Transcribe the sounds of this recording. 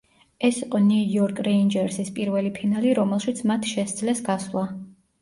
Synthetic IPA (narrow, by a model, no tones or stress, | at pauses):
ɛsiqʼɔniujɔɾkʰʼɾɛind͡ʒɛɾsispʼiɾvɛlipʰinaliɾɔmɛlˠʃit̪sʰmat̪ʰʃɛsd̪zlɛsɡasvlˠa